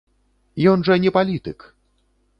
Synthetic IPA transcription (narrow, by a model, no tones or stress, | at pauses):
jɔnʐɐnʲɛpalʲit̪ɨk